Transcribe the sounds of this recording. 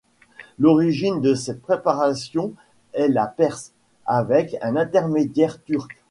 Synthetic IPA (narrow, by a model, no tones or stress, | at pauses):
lɔʁiʒind̪əsɛt̪̚pχepaʁasjɔ̃ | ɛlapɛʁs | avɛkɛ̃nɛ̃t̪ɛʁmed̪jɛʁt̪yʁk